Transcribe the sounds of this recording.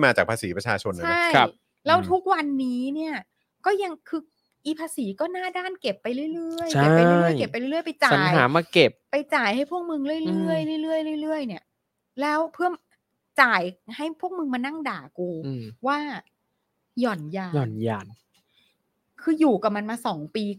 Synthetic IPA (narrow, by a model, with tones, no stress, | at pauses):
jmaː˧t͡ɕaː˨˩pʰaː˧siː˩˦pɾa˧t͡ɕʰaː˧t͡ɕʰo˧nʔa˧a˦˥˦ja˦˧˥p̚ | lɛː˦˥wt̪ʰu˦˥k̚wa˧nːiː˦˥ni˥˩ɐ | kɔː˥˩ja˧ŋkʰɯː˧ | ʔiː˧pʰaː˧siː˩˦kɔː˥˩naː˥˩daː˥˩nke˨˩pːa˧jɾɯ˥˩jɾɯ˥˩əja˨˩˥a˧jɾɾɯ˥˩˨ke˨˩pːa˧jɾɯ˥˩˨ɯ˥ə˨jpa˧jt͡ɕaːaː˧˨˩jaː˩˦maː˧ke˨˩p̚pa˧jt͡ɕaː˨˩jha˥˩jpʰu˥˩ək̚mɯ˧ŋlɯ˥˩˨jɾɯ˥˩əjɾɯ˥˩jlɯ˥˩əjlɯ˥˩jɾɯ˥˩əjni˦˥˩ɐ | lɛː˦˥wpʰɯ˥˩əm | t͡ɕaː˨˩jha˥˩jpʰu˥˩ək̚mɯ˧ŋmaː˧na˥˩ŋdaː˨˩kuː˧˩waː˥˩ | jɔː˨˩njaː˧jɔː˨˩njaː˧˩n | kʰɯː˧juː˨˩ka˨˩ma˧nmaː˧sɔː˩˦ŋpiː˧